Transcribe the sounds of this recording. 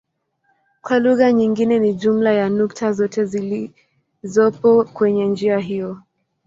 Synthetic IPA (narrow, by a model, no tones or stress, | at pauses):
kwaluɣaɲiŋɡinɛniʄum̩lajanuktʰazɔtɛzili | zɔpɔkwɛɲɛnd͡ʒiaɦijɔ